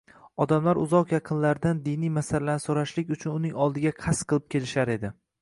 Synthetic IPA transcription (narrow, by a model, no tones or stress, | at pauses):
ɒd̪amlaɾʊ̰zɒqjɑqʰɨnlaɾd̪and̪inijmasallansoɾaʃlɪkʲʊt͡ʃʰʊnʊnɪŋɒlˠd̪ɪɡʲaqʰasqɨlˠɪp̚kʲʰe̞lɪʃaɾe̞d̪ɪ